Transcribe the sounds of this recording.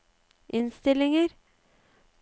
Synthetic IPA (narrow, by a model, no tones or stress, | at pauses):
ʔɪnst̪ɪlɪŋəɾ